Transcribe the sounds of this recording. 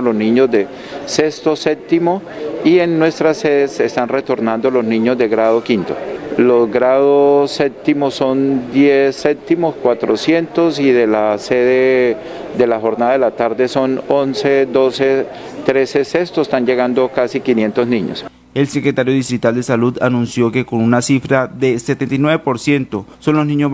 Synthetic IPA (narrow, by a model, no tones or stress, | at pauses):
loznĩɲozd̪e̞ | se̞st̪osep̚t̪imo̞ | ienːwe̞st̪ɾaseðesest̪anret̪o̞ɾnand̪o̞lo̞znĩɲozd̪eɣɾað̞o̞kint̪o̞̰lo̞zɡɾaðosep̚t̪imo̞so̞nd̪jesːep̚t̪imo̞skwat̪ɾosje̞nt̪o̞siðe̞laseðe | d̪e̞laxo̞ɾnaðaðelat̪aɾd̪e̞so̞nonsed̪o̞se̞ | t̪ɾe̞se̞sest̪oest̪and͡ʒe̞ɣand̪okasikinje̞nt̪o̞zniɲo̰s | e̞lse̞kɾe̞t̪aɾjo̞ðist̪ɾit̪ald̪e̞saluðanũnsjo̞ke̞ko̞nunasifɾaðe̞set̪ent̪ajnweβepo̞ɾsje̞nt̪o̞so̞nloznĩɲo